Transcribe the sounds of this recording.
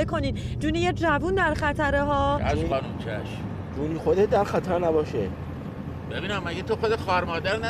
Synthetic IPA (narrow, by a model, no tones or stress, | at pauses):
ekʰo̞niːd̪d͡ʒuːnijed͡ʒævund̪æɾxæt̪ʰæɾeɦɒːæʃuɒːnumt͡ʃʰæʃ | d͡ʒuːniːxod̪et̪̚d̪æɾxæt̪ʰæɾnæbɒːʃe | b̥ebiːnæmːæɡet̪ʰoxod̪exɒæɾmɒːd̪æɾn